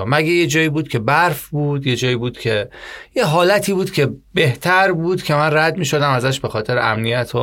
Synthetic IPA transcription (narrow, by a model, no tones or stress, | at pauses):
mæɡejed͡ʒɒːjiːbuːd̪̥cʰe̞bæɾfbuːd̪̥je̞d͡ʒɒːjiːbuːd̪̥cʰe̞jeɦɒːlæt̪ʰiːbuːd̪̥cʰebe̞ht̪ʰæɾbuːd̪̥cʰʲe̞mænræd̪miːʃo̞d̪æmæzæʃbe̞xɒːt̪ʰe̞ɾḛʔæmnijæt̪ʰo